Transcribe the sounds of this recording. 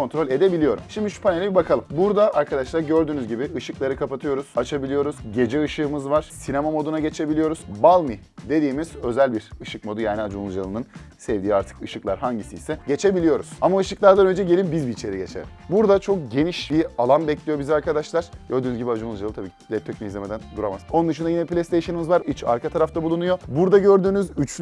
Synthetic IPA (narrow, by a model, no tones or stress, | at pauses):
o̞nt̪ɾo̞lʲe̞d̪e̞bilʲijo̞ɾṵmʃimd̪iʃu̥pʰanelʲɛbibakʰalˠɯmbuɾd̪aʔaɾkʰad̪aʃlˠaɾɟø̞ɾd̪yːnyzɟibiɯʃɯklˠaɾɯkʰapat̪ʰɯjo̞ɾuz̥at͡ʃʰabilʲijo̞ɾuzɟe̞d͡ʒɛɯʃɯːmɯzvaɾ̥sinemamo̞d̪unaɟe̞t͡ʃʰe̞bilʲijo̞ɾuz̥balˠmi | d̪e̞d̪iːmiz̥ø̞zælʲbiɾɯʃɯkmo̞d̪ujaːniad͡ʒunlˠud͡ʒalˠɯnɯnsɛvd̪iːaɾt̪ʰɯ̥kɯʃɯklˠaɾɦaɲɟisiːsɛɟe̞t͡ʃʰe̞bilʲijo̞ɾuz̥amaɯʃɯklˠaɾd̪anø̞nd͡ʒɛɟe̞lʲimbizbiːt͡ʃʰe̞ɾiɟe̞̰t͡ʃʰɛ̰ɾbuɾd̪at͡ʃʰo̞k̚ɟe̞niʃbialˠanbɛclʲijo̞biziaɾkad̪aʃlˠaɾ̥ɟ̥øɾd̪yːnzɟibiad͡ʒunˠud͡ʒalˠt̪ʰabiːcd̪ɛt̪ʰːøcmʲiizlʲemed̪ænd̪uɾamazonunɯʃ̬ɯnd̪ajinɛiplʲest̪ʰejʃɯnimizvaɾit͡ʃa̰ɾkʰat̪ʰaɾaft̪ʰabulˠunujo̞buɾd̪aɟø̞ɾd̪yːnyzyt͡ʃ